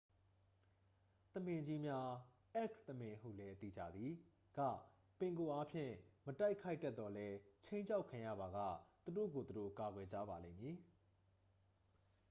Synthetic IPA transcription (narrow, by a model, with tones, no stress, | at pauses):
t̪əmɪ̃˨ɲd͡ʑi˦mja˦ | ʔɛ˦˨kt̪əmɪ̃˨ɦṵ˦˨lɛ˦ʔət̪ḭ˦˨d͡ʑä̰˦˨d̪ði˨ | ɡ̥ä̰˦˨ | pɪ̃˨ŋɡo˨ʔa˦pʰjɪ̰̃˦˨məta˦ɪʔkʰːa˦ɪtːɛ˦t̪ːɔ˨lɛ˦t͡ɕʰẽ˦ɪ̃ɲt͡ɕʰa˦ʊkʰã˨jä̰˦˨ba˨ɣa̰˦˨t̪u˨do̰˦˨ɡo˨t̪u˨do̰˦˨ka˨ɡwɛ˨d͡ʑa̰˦˨ba˨lẽ˦˨mji˨